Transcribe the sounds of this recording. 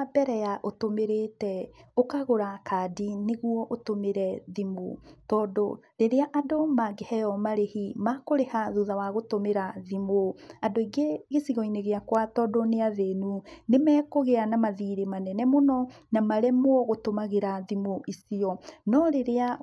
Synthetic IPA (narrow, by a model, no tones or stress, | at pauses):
abɛɾɛjaʔotomeɾetɛokaɣoɾakaːdineɣuɔʔotomeɾɛðimotɔːdoɾeɾeaʔadomaɡehɛjɔmaɾehimakoɾehaðuðawaɣotomeɾaðimoadoiɡeɣesiɣɔineɣeakwatɔdoneaðenunemɛːkoɣeanamaðiɾemanɛnɛmonɔnamaɾɛmwɔɣotomaɣeɾaðimoʔisiɔnɔɾeɾea